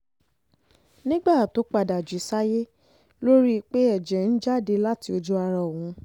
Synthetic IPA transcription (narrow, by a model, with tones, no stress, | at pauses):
nĩ˦ɡ͡ba˦˨to˨˦k͡pa˧˨da˨d͡ʒi˨˦sa˦je˦ | lo˦ɾi˦˧k͡pe˦ɛ˦˨d͡ʒɛ̃˨n̩˦d͡ʒa˦˨de˧la˦ti˧o˧d͡ʒu˦a˧ɾa˧˨wũ˨˦